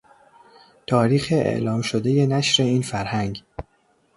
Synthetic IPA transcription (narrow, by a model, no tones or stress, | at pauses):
t̪ʰɒːɾiːxeʔḛʔlɒːmʃod̪e̞je̞næʃɾe̞iːnfæɾhæŋɡ